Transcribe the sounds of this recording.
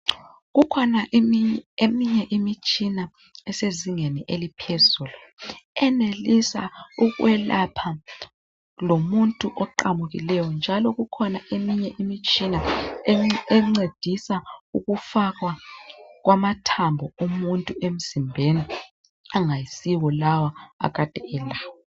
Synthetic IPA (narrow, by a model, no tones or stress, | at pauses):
ɣukʰɔnaʔemiɲɛʔimit͡ʃʼina | ɛseziŋeniʔelipʰɛzulɔɛnelisa̰uɣwʔɛlapʰa | lomuntʼuʔɔǃamuɣḭlɛjɔnd͡ʒʱalɔɣukʰɔnaʔemiɲɛʔimit͡ʃʼina | ɛŋ͡ǀed̥ʱisauɣufaɣwaɣwʔamatʰambʱɔumuntʼuʔem̩z̥imbʱeni | aŋajisiwɔlawaa̰ɣad̥ʱɛɛlaːwɔ